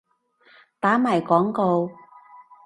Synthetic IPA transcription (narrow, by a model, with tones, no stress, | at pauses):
t̪aː˨˥maː˨˩jkɔː˨˥ŋko˧w